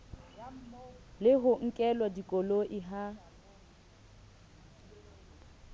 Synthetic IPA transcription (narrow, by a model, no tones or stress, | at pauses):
lɪɦʊŋ̩kʼɛlwadikʼoloʔɪɦa